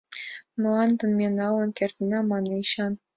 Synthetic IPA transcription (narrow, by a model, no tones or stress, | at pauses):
mɤ̆lˠɑnt̪ɤ̆nmʲenɑlɤ̆nkʲert̪ɘ̆nɑmɑnɤiɕɑn